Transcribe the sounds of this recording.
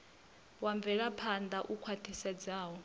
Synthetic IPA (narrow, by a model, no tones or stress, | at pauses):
waɱvɛɺapʰand̪aʔukʰwatʰisad͡zaːwɔ